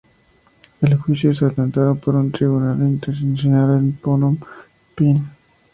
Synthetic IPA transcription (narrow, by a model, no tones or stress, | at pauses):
elxwisjoest̪at̪ant̪aðopoɾunt̪ɾiβunalint̪eɾsensenalenponom | pin